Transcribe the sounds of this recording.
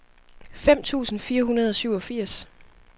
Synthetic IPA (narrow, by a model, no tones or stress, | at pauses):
fem̰t͡sʰṵːsn̩fiːɐɦunɐð̞ˠɒ̽syʊɒ̽fiɐ̰s